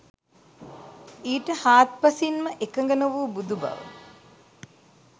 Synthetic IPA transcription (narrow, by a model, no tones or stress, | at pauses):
iːʈəhaːt̪̚pɐsinməʔekəŋɡənəʋuːbud̪ubɐ̰ʋə̰